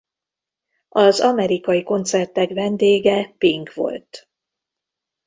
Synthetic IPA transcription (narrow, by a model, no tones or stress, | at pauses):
ɒzɒmɛɾikɒjiko̞nt̪sɛrt̪ɛkʋɛnd̪eːɡɛpiŋkʋo̞̰lt̪